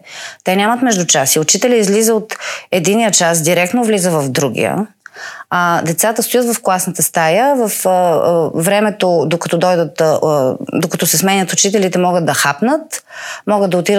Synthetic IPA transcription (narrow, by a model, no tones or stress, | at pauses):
t̪ɛnʲamət̪mɛʒd̪ʊt͡ʃasiʊt͡ʃit̪ɛlʲiizlizəot̪ɛd̪inijət͡ʃas̬d̪iɾɛk̚t̪novlizəvɐvd̪ɾuɡ̟ḭjə̰ | ad̪ɛt̪sat̪əst̪ʊjət̪vɐfklˠasnət̪əst̪ajəvəf | vɾɛmɛt̪od̪okɐ̥t̪ɔd̪ɔjd̪ət̪ | d̪okɐt̪ɔsɛsmɛnʲət̪ʊt͡ʃit̪ɛlit̪ɛmɔɡəd̪̚d̪ɐxapnət̪mɔɡəd̪ɐot̪iɾə